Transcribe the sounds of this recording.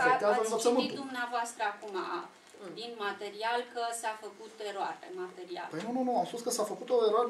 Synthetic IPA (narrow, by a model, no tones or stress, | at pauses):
eazəsaemid̪umneavoast̪ɾəakuma̰ | d̪inmat̪e̞ɾialkəsafəkut̪e̞ɾoa̰ɾḛmat̪e̞ɾia̰ləjnununuamspuskəsafəkut̪oeɾoaɾ